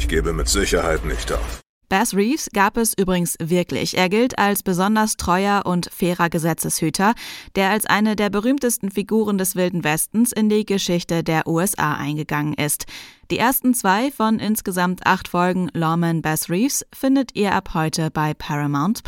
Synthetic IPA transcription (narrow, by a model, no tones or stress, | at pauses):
çɡ̥eːbəmɪtz̥ɪçɐhaɪtnɪçtʔa̰ʊf | b̥ɛsʁiːfsɡ̥aːpɛsʔyːbʁɪɡŋ̩sv̥ɪɐklɪ̰çʔeːɐɡɪltʰalsb̥əzɔndɐstʁ̥ɔʏɐʔʊntfɛːʁɐɡəzɛt͡səshyːtʰɐd̥eːɐalsʔa̰ɪnədeːɐbəʁ̞yːmtəstn̩fiɡuːʁ̞əndɛsv̥ɪldn̩vɛstn̩sɪndiːɡəʃɪçtədeːɐʔuːɛsʔa̰ːʔa̰ɪnɡəɡaŋənʔɪstd̥iːʔeːɐstn̩t͡sv̥aɪfɔnʔɪnsɡ̥əzamtʰʔa̰χtfɔlɡŋ̩lɔmɛnbɛsʁiːfsfɪndətʔiːɐʔaphɔʏtʰəbaɪpʰɛʁamaʊnt